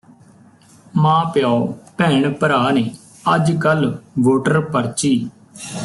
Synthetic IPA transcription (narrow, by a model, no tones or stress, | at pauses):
mãːpjaːpɛːɳpəɾaːneː | əd͡ʒkəlʋoːʈəɾpəɾt͡ʃiː